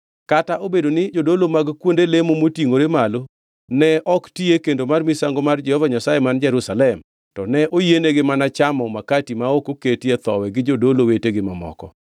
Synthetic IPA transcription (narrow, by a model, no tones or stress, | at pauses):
kataʔobedonɪd͡ʒodolomaɡkwondelemomotiŋoɾemalo | nɛɔktiekendomarmɪsaŋɡomard͡ʒɛhɔvaɲasajemand͡ʒɛɾusalɛm | tɔnɛʔojeneɡɪmanat͡ʃamɔmakatimaokoketet̪ɔwɛɡɪd͡ʒodoloweteɡɪmamɔ̰kɔ̰